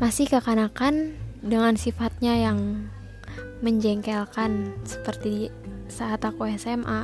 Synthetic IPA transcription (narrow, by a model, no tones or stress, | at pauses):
masɪhkəkanakandəŋansifat̪̚ɲajaŋ | məɲd͡ʒɛŋkɛlkansə̥pərt̪idisaɦat̪akoɛsɛmʔa